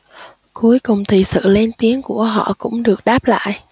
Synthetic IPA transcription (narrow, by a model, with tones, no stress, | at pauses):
ku˨˦əjkʊ˨˩ŋ͡mt̪ʰi˨˩sɨ̰˧˨le˧nt̪i˨˦ənku˧˩əɦɔ̰˧˨kʊ̰˧˥ŋ͡mɗɨ˨˩ək̚ɗaː˦˥p̚la̰ː˧˨jʔ